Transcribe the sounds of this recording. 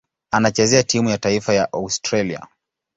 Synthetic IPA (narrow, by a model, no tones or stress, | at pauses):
anat͡ʃɛzɛatimujataifajaʔaustɾalia̰